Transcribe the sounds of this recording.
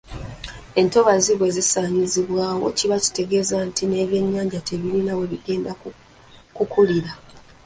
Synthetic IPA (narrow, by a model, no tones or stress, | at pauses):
e̞nto̞βaziβwe̞zisaːɲiziβwaːwo̞̰ciβaci̥te̞ɡe̞zantʰine̞βje̞ɲːaːɲɟateβilinawe̞βiɡe̞ːnda | kukuliɾa